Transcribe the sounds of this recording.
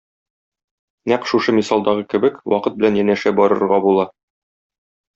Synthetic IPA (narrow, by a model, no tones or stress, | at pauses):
næqʃuʃɤmisɑlˠd̪ɑʁɤkɘ̆bɘkwʔɒqɤt̪̚bɘ̆lænjænæʃæbɒɾɤ̆ɾʁɑbulˠɑ